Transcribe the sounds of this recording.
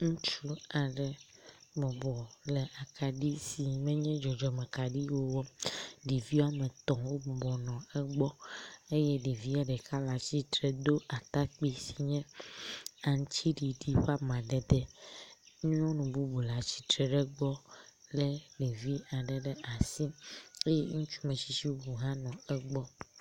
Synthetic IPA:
ŋũ˦t͡ʃu˦a˨ɖɛ˨bɔ˨bɔ˨lɛ˨ʔa˨kʰa˨ɖi˦si˨mɛ̃˦ɲɛ̃˦d͡ʒɔ˨d͡ʒɔ˨mɛ̃˨ka˨ɖi˦wo˦wɔ˦ɖi˨vi˦wa˦mɛ̃˨t̪ɔ̃˨wo˦bɔ˨bɔ˨nɔ̃˨ɛ˦ɡ͡bɔ˦e˦jɛ˦ɖi˨vi˦a˨ɖɛ˨ka˦la˨t͡ɕi˦t̪ɾɛ˨d̪o˦ʔa˨t̪a˦k͡pi˦si˨ɲɛ̃˦ | a˨ŋ˦t͡ɕʰi˦ɖi˨ɖi˦ɸa˦mã˨ɖɛ˨d̪ɛ˦ | ŋũ˦ɲ˦ɔ̃˦nũ˨bu˦bu˨la˨t͡ɕi̥˨t̪ɾɛ˨ɖɛ˦ɡ͡bɔ˦lɛ˦ɖe˨vi˦a˨ɖɛ˨ɖɛ˦ʔa˨sĩ˦e˦jɛ˦ŋũ˦t͡ʃu̥˦mɛ̃˨ʃi˨ʃi˦wo˦bu˨ɦã˦nɔ̃˨ɛ˦ɡ͡bɔ˦

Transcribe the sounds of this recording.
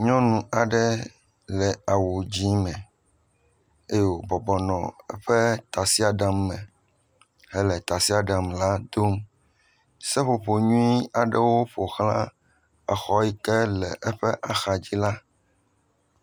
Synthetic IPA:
ɲɔ̃˦nũ˨a˨ɖɛ˦ | lɛ˨a˨wo˨d͡ʑi˦mɛ̃˨ | e˦jo˨bɔ˨bɔ˨nɔ̃˨ɛ̰˦ɸɛ˦t̪a˨si˦a˨ɖa˨mːɛ̃˨ | hɛ˦lɛ˨t̪a˨si˦a˨ɖã˨mla˦d̪o˦m | sɛ˦ɸo˨ɸo˨ɲũ˦i˦a˨ɖɛ˦wo˦ɸo˨xlã̰˦ | a˨xɔ˦i˦kɛ˦lɛ˨ʔɛ˦ɸɛ˦ʔa˨xa˨d͡ʑi˦la˦

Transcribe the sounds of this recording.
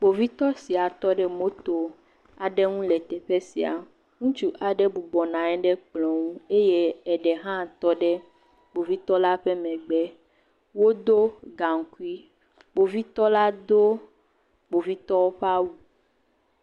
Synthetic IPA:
bo˨vi˦t̪ɔ˦si˨a˨t̪ɔ˦ɖɛ˦mo˦t̪o˨ | a˨ɖɛ˦ŋũ˦lɛ˨t̪ɛ˨ɸe˦si˨a̰˨ | ŋũ˦t͡ʃu˦ʔa˨ɖɛ˦bu˨ɡ͡bɔ˨nã˨ɛ˦ɖɛ˦k͡plɔ̃˨ŋũ˦e˦je˦ɛ˨ɖɛ˨ɦã˦˨t̪ɔ˦ɖɛ˦ | bo˨vi˦t̪ɔ˦la˦ɸɛ˦mɛ̃˨ɡ͡bɛ˦ | wo˦d̪o˦ɡa˨ŋ̩˨ku˦i˦ | bo˨vi˦t̪ɔ˦la˦d̪o˦ | ɡ͡bo˨vi˦t̪ɔ˦wo˦ɸa˦wu˨

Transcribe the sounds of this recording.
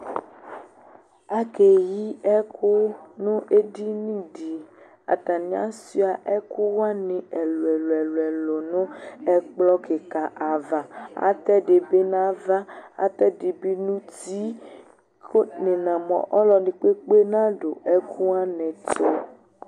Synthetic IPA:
a˦ke˨ji˦ɛ˦kʰu˦nʊ̃˦ʔe˦di˦nĩ˦di˨ | a̰˨tã˨nĩ˨˦a̰˦si˦a˨ʔɛ˦ku˦wa˦nẽ˨ɛ˨lo˨ɛ˨lo˨ɛ˨lo˨ɛ˨lo˨nõ˦ɛ˦k͡plɔ˦ke˨ka˨ʔa˨va˨a̰˨t̪ɛ˦de˨be˦nã˦va˦a̰˨t̪ɛ˦de˨be˦nũ˦ti˦ | ko˦nẽ˨nã˨mɔ̰̃˨ʔɔ˦lɔ˨nĩ˨k͡pe˦k͡pe˦nã˦ɖo˨ʔɛ˦kʰu˦a˦nɛ̃˨to˦

